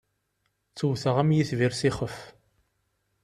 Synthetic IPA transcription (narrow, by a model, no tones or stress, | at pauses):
t͡sːuwθəʁæmjiθviɾsiχəf